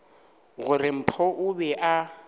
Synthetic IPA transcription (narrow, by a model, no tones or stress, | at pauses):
ɣʊrɪm̩pʰɔʔʊbɛʔa